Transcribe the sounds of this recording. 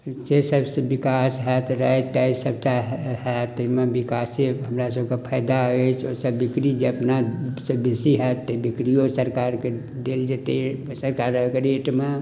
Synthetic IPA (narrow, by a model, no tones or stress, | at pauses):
sesəbsebɪkaːsɦɛt̪oɾaʈaisəb̚t͡ʃaɦhɛt̪oimẽbɪkaːseɦəmɾasəbkapʰəjd̪aɦoet͡ʃʰosəbːɪkɾid͡ʒeɐpnasebesiɦɛt̪ebɪkɾijosəɾkaːɾke | d̪eːld͡ʒet̪esəɾkaːɾəkeɾeːʈmã